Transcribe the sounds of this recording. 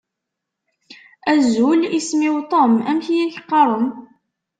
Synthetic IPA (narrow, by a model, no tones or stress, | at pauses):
æzulismiwt̪ˤomæmçijæçqːɑɾˤəm